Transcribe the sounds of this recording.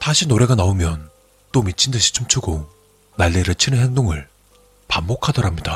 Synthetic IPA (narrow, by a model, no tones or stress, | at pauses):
taɕʰinoɾe̞ɡanaomjʌn | t͈omit͡ɕʰindɯɕʰi̥t͡ɕ͈omt͡ɕʰuɡo | naɭːeɾɯt͡ɕʰɯnɯnɦe̞ŋdoŋɯɭ | pambokʰadʌɾamɲida